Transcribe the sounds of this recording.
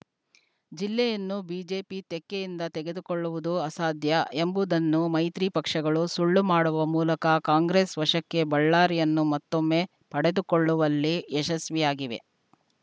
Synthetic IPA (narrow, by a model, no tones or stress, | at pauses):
d͡ʒilːɛjɐnːubiːd͡ʒe̞ːpit̪ɛkːejind̪ɐt̪ɛɡe̞d̪ukoɭːuʋud̪uɐsaːd̪jɐe̞mbud̪ɐnːumɐjt̪ɾipɐkʂɐɡɐɭusuɭːumaːɽuʋɐmuːlɐkɐkaːŋɡɾeːsʋɐʂɐkːe̞bɐɭːaːɾijɐnːumɐt̪ːomːe̞ | pɐɽed̪ukoɭːuʋɐlːiɛʃɐsʋijaːɡiʋe̞̰